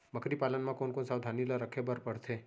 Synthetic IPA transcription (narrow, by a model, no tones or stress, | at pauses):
məkɾipalənmãkonkonsawd̪ʱanilaɾəkʰebəɾpəɽt̪ʰe